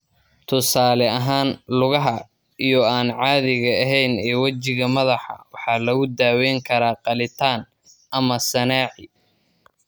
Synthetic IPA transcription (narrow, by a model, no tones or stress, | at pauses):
t̪ʰʊsaːlɛɐɦaːnlʊɣɐɦɐ | ijɞaːnʕɑːðɪɣɐɐɦɛjnɛːwɐt͡ʃɪɣɐmɐðɑħɑ̰wɑħɑːlɐɣʊd̪aːwɛjŋkʰɐɾaːqɑlɪt̪ʰaːn | ʔɐmɐsɐnaːʕɪ